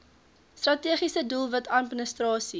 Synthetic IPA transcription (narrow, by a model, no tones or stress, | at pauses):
strɐtiəχisədulˠvɐtʰɐt̚mənəstrɑːsi